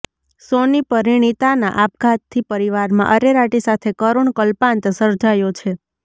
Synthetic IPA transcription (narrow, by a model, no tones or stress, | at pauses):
sonipəɾiɳ̃it̪ana̰ʔap̚ɡʱat̪t̪ʰːipəɾiʋaɾmã̰ʔəɾeɾaʈisat̪ʰekəɾuɳkəlpãnt̪səɾd͡ʒajot͡ʃʰe